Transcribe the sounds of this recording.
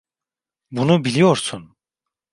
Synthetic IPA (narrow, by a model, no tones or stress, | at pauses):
bunubilʲijoɾsun